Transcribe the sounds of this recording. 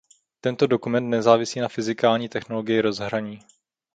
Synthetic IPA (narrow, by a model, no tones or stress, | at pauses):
t̪ɛnt̪o̞do̞kumɛnt̪nɛzaːvɪsiːnafɪzɪkaːlɲiːt̪ɛxnoloɡɪjɪɾo̞zɦɾaɲiː